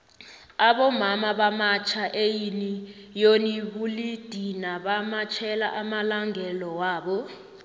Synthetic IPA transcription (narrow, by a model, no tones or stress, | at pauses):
aɓɔmamaɓamat͡ʃʰaʔejini | joniɓulid̥ʱinaɓamat͡ʃʰɛla̰ʔamalaŋʱɛlɔwaːɓɔ